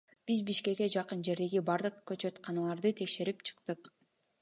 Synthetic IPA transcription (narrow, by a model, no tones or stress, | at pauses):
b̥izbiʃke̞kːe̞d͡ʒɑqɯnd͡ʒe̞ɾd̪e̞ɡibɑɾd̪ɯqkøt͡ʃøt̪qʰɑnɑlˠɑɾd̪ɯt̪ʰe̞kʃe̞ɾipt͡ʃʰɯ̥qt̪ɯq